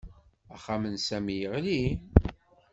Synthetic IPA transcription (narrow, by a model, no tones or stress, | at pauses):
æχamənsæmijəʁli